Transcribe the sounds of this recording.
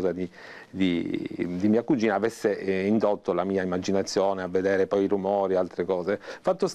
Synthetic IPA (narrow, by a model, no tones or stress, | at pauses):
zad̪id̪id̪imiːakud͡ʒiːnaːvesːeind̪ot̪ːolamiːaimːad͡ʒinat̪sːjoːneavːed̪eːɾepɔjiɾumɔːɾialt̪ɾekɔːzefat̪ːos